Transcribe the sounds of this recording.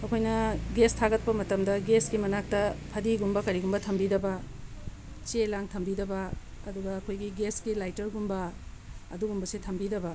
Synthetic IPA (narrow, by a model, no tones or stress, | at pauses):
ɐkʰojnɐɡestʰaɡɐt̚pɐmɐtɐmdɐɡeskimɐnak̚tɐpʰɐdiɡumbɐkɐɾiɡumbɐtʰɐmbidɐbɐ | t͡ʃelaŋtʰɐmbidɐbɐ | ɐ̰duɡɐːkʰojɡiɡeskilajtɐɾɡumbɐː | duɡumbɐsetʰɐmbidɐbɐ